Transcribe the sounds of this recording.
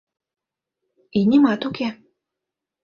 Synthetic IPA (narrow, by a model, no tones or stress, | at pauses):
inʲimat̪ukʲe